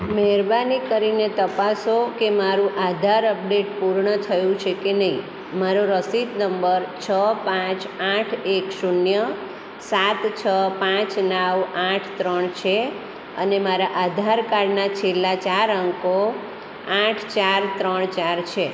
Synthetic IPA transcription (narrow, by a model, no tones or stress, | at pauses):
mɛɦɛɾbanikəɾinet̪əpasokemaɾũʔad̪ʱaɾəp̚ɖeʈpuɾɳət̪ʰəjũt͡ʃʰekenəĩ | maɾoɾəsit̪nəmbəɾt͡ʃʰəpãt͡ʃ | aʈʰekʃunjə | sat̪t͡ʃʰəpãt͡ʃnaʋaʈʰt̪ɾəɳt͡ʃʰe | ə̰nemaɾaʔad̪ʱaɾkaɽnat͡ʃʰelːat͡ʃaɾəŋko | aʈʰt͡ʃaɾt̪ɾəɳt͡ʃaɾt͡ʃʰe